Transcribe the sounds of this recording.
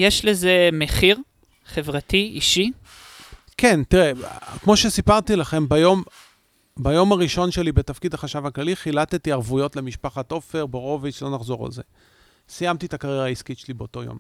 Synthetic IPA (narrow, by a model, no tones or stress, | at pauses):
jeʃlezemeχiʁ | χevʁatʰiḭʃi | kʰe̞nt̪iʁekmo̞ʃesipaʁt̪ilaχe̞mbajo̞m | bajo̞maʁiʃo̞nʃe̞libet̪afkidhaχaʃavaklaliχilat̪et̪iaʁvujo̞tle̞miʃpaχat̪o̞fe̞ʁbeʁo̞viʃlo̞naχzo̞ʁa̰lze̞̰ | sijamt̪it̪akaʁjeʁaiskitʃelibeoto̞jo̰m